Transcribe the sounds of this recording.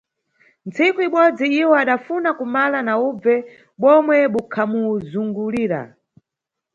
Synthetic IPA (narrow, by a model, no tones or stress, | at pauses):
nt͡sikuiɓɔd͡ziiwɔaɗafunakumalanaub͡vɛ | ɓɔmwɛɓukʰamuzuŋɡuliːɾa̰